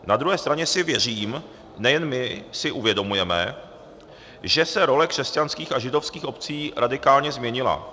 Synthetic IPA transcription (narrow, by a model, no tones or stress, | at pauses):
nad̪ɾuɦɛːst̪ɾaɲɛsɪvjɛriːm | nɛjɛnmɪsɪʔuvjɛdo̞mujɛmɛ̰ | ʒɛsɛɾo̞lɛkr̝̥ɛscanskiːxaʒɪdo̞fskiːxo̞pt͡siːɾʔadɪkaːlɲɛzmɲɛɲɪla̰